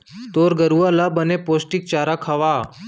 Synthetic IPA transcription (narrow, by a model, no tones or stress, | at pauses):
t̪oːɾɡəɾuʋalabənepoːsʈik̚t͡ʃaːɾakʰɐʋa